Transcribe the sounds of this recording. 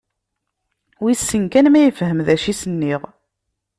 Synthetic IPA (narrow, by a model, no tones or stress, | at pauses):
wisːəŋkænmæjəfɦəmðæʃisənːiʁ